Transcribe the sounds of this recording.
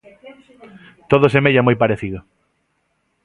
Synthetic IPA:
t̪oðosemeʎamojpaɾeθiðʊ

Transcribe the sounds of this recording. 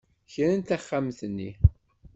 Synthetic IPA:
çɾənt̪æχːamθnːi

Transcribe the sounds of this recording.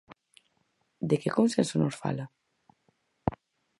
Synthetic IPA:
d̪ekekonsensonoɾfa̰la

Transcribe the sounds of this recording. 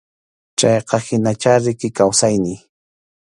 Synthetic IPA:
t͡ʃɑjqɑhɪnat͡ʃaɾɪkɪkawsajnɪj

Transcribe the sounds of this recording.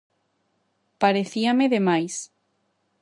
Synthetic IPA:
paɾeθiameðemajs

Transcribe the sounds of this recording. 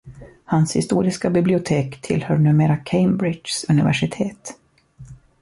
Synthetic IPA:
hanshɪ̰st̪uːɾɪskabɪblɪʊt̪ʰeːkt̪ʰɪlhœːɳʉ̟ːmeːɾakʰeɪmbɾɪsɵnɪvæ̰ʂɪt̪ʰeːt̪

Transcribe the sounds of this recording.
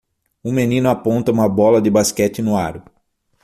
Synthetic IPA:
ʊmenĩnʊapõnt̪ɐũmɐbɔlɐd̪ɪbaskɛt͡ʃ̪ɪnʊaɾʊ

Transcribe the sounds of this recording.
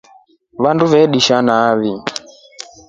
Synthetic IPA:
βanduβɛɗiʃanaːβi

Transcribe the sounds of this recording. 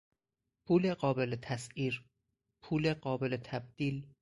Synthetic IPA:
pʰuːleɢɒːbelet̪ʰæsiːɾ | pʰuːleɢɒːbe̞let̪ʰæb̚d̪̥iːl

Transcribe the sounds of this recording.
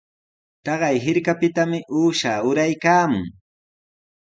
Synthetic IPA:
t̪ɑɢɑjɦɪɾkapɪt̪amɪʔuːʃaːʊɾajkaːmʊŋ

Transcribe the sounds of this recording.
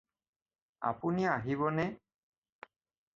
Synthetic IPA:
a̰puniaɦiβɔnɛ

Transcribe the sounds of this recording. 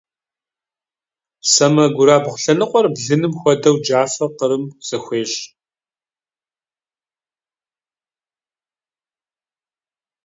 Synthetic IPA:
sɐmɐɡʷʊɾaːbʁʷɬɐnɨqʷʼɔrbɮɨnɨmxʷɔdɐwd͡ʒaːfɐqəɾɨmz̥ɐxʷeːɕ

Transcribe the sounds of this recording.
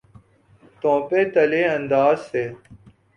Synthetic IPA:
t̪õːpeːt̪əleːənd̪aːzseː

